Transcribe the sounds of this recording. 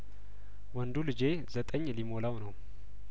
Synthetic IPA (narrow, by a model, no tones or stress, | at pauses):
wɔnd̪ulɨd͡ʒe | zət̪ʼəɲːlimo̞lawnəw